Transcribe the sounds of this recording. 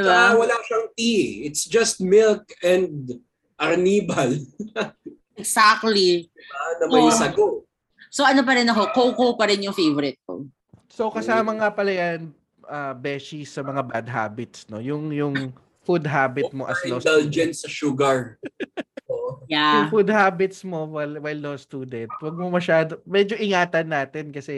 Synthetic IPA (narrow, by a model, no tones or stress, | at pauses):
d̪ɪbawɐlaʃɐŋt̪iɪt̪sd͡ʒɐst̪̚mɪlkɛ̃nd̪̚ | ʔɐɾniːbɐl | ʔɛɡsak̚t̪lianɐmɐsɐɡo | soɐnop̬ɐɾɪnɐko̞kowkowpɐɾɪnjʊŋfejvɔɾɪt̪̚ko̰ | so̞wkɐsamɐŋɐpɐlɐjan | ʔɐːbɛːʃisːɐmɐŋabad̪̚ɦa̰ːbɪt̪sno̞jʊŋjʊŋ | fud̪ɦaːbɪt̪̚mo̞ʔɐslod̪ald͡ʒɛnsɐʃuɡɐɹ | oʔjajʊŋfud̪̚haːbɪt̪smo̞wɐlwajlːost̪uːd̪ɛnt̪wɐɡ̚momɐʃaːd̪omɛːd͡ʒo̞ʔɪŋaːt̪ɐnːaːt̪ɛnkɐsɛ